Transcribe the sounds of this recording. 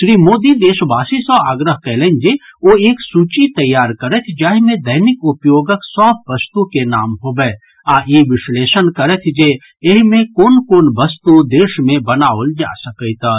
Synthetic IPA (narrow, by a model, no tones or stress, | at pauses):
ʃɾiːmoːd̪id̪eːʃbaːsisɔaːɡɾəɦkɛːlə̃nd͡ʒeːoeːksuːt͡ʃit̪ɐjːaːɾkɐɾət̪ʰd͡ʒaːɦmẽd̪ɐɦnɪkʊpjoːɡəksɔːb̚ʋɐst̪ukenaːmɦoːbɛː | aːjeʋɪʃleːʃənkɐɾət̪ʰd͡ʒeː | ɪɦmẽkoːnkoːnʋɐst̪ud̪eːʃmẽbɐnaːold͡ʒa̰ːsɐkəit̪a